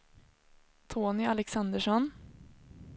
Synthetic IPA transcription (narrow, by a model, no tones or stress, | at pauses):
t̪ʰoːnɪalɛksand̪əʂɔn